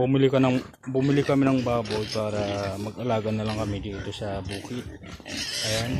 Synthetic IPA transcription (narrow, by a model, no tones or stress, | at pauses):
bʊmɪlɪkɐnɐŋ | bʊmɪlɪkɐmɪnɐŋbaːbo̞jpaːɾɐmɐɡɐlaːɡɐnɐlɐŋkɐmɪd̪iːt̪o̞sɐbuːkɪt̪̚ʔɐjan